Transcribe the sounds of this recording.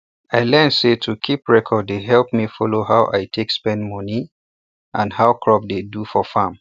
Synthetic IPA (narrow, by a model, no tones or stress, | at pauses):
aɪlɛnsetʰukʰipɹɛkʰɔdːeɦɛlp̚mifɔloɦawʔa̰ɪtʰekspɛ̃ndmɔni | ʔãnhaʊkʰɹɔp̚dedufɔfãm